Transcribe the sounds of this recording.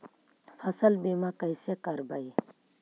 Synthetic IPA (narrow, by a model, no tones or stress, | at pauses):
fʰɐsəlbeːmãkɐisekɐɾbɐi